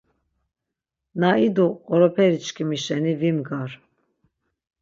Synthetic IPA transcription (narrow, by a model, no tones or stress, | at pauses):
naid̪uɔɾɔpʰɛɾit͡ʃkʰimiʃɛnivimɡaɾ